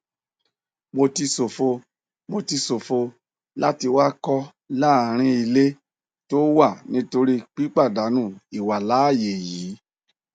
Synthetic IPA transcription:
mo˧ti˧so˨fo˧ | mo˧ti˧so˨fo˧ | la˦ti˧wa˦kɔ˦ | la˦˨ɾ̃ĩ˧i˧le˦ | to˦wa˦˨nĩ˦to˧ɾi˦k͡pi˦k͡pa˦˨da˨˦nũ˦˨i˨wa˨la˨˦˨je˨jiiː˨˦

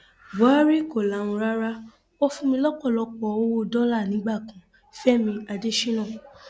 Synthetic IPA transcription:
ba˦ɾi˦ko˨lã˨˦˨ũ˧ɾa˦ɾa˦ | o˦fũ˧˦mĩ˧lɔ˦kɔ˦˨lɔ˧k͡pɔ˨˧o˦wo˦˨dɔ˦la˦˨nĩ˨˦ɡ͡ba˦˨kã˨˦ | fɛ˦mĩ˧a˧de˦ʃĩ˦nãː˦˨

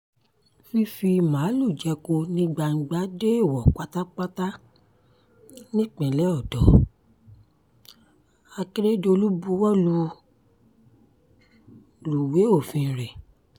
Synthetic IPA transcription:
fi˧fi˧mãː˨˦lu˦˨d͡ʒɛ˨˧ko˧nĩ˦ɡ͡ba˧ŋ̩˧ɡ͡ba˦de˦e˦˨wɔ˨k͡pa˦ta˦k͡pa˦ta˦ | nĩ˦k͡pɛ̃˨lɛ˦ɔ˦˨dɔ˨˦ | a˧ki˦ɾe˦do˧lu˦bu˧˦wɔ˦lũ˧˦ | lu˨we˨˦o˦˨fĩ˧˨ɾɛ˨

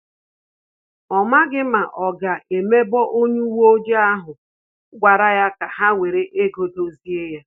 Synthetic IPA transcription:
ɔ˨ma˦ɡɪ˦ma˨ʔɔ˨ɡa˨ʔe˨me˦bɔ˦ʔo˦ɲu˦wo˦d͡ʒe˦a˦ɦʊ˨ | ɡʷa˨ɾa˦ja˦ka˨ɦa˦ŋʷe˨ɾe˦ʔe˦ɡo˨do˦zi˦e˦ja˦

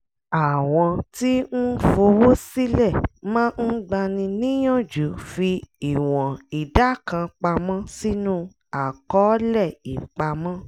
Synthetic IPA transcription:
a˨w̃ɔ̃˧ti˦n̩˦fo˧wo˦si˦lɛ˦˨mãː˦n̩˦ɡ͡ba˧nĩ˧nĩ˦j̃ɔ̃˦˨d͡ʒu˨˦fi˧i˨w̃ɔ̃˨i˨da˨˦kã˧k͡pa˧mɔ̃˦si˦nũ˦ | a˨kɔ˨˦lɛ˦˨i˨k͡pa˧mɔ̃˦

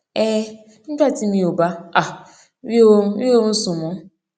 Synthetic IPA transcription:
e˦ | m̩˦d͡ʒa˦ti˦mi˦o˨ba˦a˨˦ | i˦o˦su˨mɔ˦

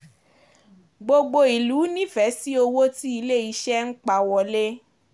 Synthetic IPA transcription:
ɡ͡bo˧ɡ͡bo˧i˨lu˨˦nĩ˦fɛ˨˦si˦o˧wo˦ti˦i˧le˦˨i˧˦ʃɛ˦n̩˦k͡pa˨wɔ˨le˦

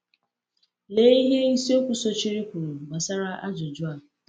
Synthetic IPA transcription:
le˦i˦ɦe˦ni˦si˦o˦kʷu˨so˦t͡ʃi˦ɾi˦kʷu˨ɾu˨ɡ͡ba˨sa˦ɾa˦a̰˦d͡ʒʊ˨d͡ʒʊ˦a˨

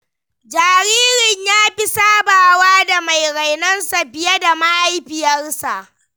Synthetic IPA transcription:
d͡ʒaː˨ɾiː˦ɾɪ˨ɲjaː˦ɸi˦saː˦baː˨waː˦da˨ma˨jɽa˨jnɐ˦nsa˨bɪ˨je˦da˨ma˦ʔa˦jɸɪ˨jɐ˦rsa˨ʔ

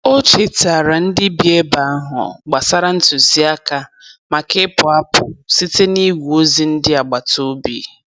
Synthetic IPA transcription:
o˦t͡ʃe˨ta˨ɾa˨n̩˦dɪ˦bi˨˦e˦ba˨a˦ɦʊ̰˨ɡ͡ba˨sa˦ɾa˦n̩˦tʊ˨zi˦a˦ka˦ | ma˨kɪ˦pʊ˨a˦pʊ̰˨si˦te˦ni˦wʷu˨o˦zi˦n̩˦dɪ˦a˨ɡ͡ba˨to˦bḭ˨

